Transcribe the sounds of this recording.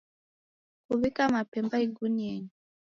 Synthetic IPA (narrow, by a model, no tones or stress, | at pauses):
kuβikamapɛmbaiɡunieɲi